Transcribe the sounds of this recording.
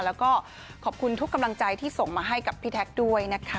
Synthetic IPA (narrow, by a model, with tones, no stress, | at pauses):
lɛː˦˥wkɔː˥˩ | kʰɔː˨˩p̚kʰu˧nt̪ʰu˦˥kːa˧mla˧ŋt͡ɕa˧jt̪ʰiː˥˩so˨˩ŋmaː˧ɦa˥˩jka˨˩pʰːiː˦˥˩t̪ʰɛ˦˥k̚du˥˩əjna˦˥kʰa˦˥